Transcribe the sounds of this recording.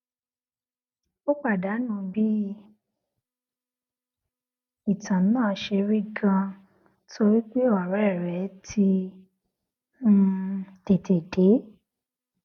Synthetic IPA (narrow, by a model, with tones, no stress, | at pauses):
o˦k͡pa˦˨da˨˦nũ˧bi˦ | i˦˨tʰã˨˦nãː˦˨˦ʃe˧ɾi˦ɡã˧ | tʰo˧ɾi˦k͡pe˦o˦˨a˨ɾa˨˦ɛ˦˨ɾɛ˨˦tʰi˧ | m̩˦te˨te˨de˨˦